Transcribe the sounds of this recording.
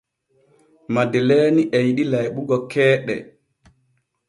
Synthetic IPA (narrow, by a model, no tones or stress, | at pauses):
madɛleːniʔɛjiɗilajɓuɡɔkʰɛːɗɛ̰